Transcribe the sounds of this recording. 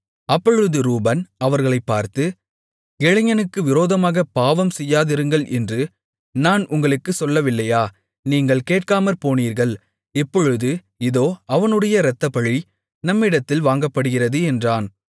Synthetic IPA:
ɐpːɔɻɯðɯɾuːbɐnɐʋɐɾɣɐɭɐɪpːaːɾt̪ɯ | ɡɛɻɪɲɐnɯkːɯʋɪɾoːðɐmaːɣɐpaːʋɐmsɛjːaːðɪɾɯŋɡɐɭʔɛndrɯ | naːnʊŋɡɐɭɯkːɯsɔlːɐʋɪlːɐjaː | niːŋɡɐɭkeːʈ̚kaːmɐɾpoːniːɾɣɐɭ | ɛpːɔɻɯðɯ | ɪðoːɐʋɐnɯɽɐjɐɾɐt̪ːɐpɐɻi | nɐmːɪɽɐt̪ːɪlʋaːŋɡɐpːɐɽɯɣɪrɐðɯɛndraːn

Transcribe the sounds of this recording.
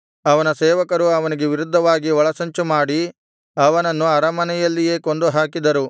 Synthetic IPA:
ɐʋɐnɐsɛːʋɐkɐɾuɐʋɐniɡe̞ʋiɾud̪ʱːɐʋaːɡiɔɭɐsɐɲt͡ʃumaːɽi | ɐʋɐnɐnːuɐɾɐmɐnɛjɐlːije̞ːko̞nd̪uɦaːkid̪ɐɾu

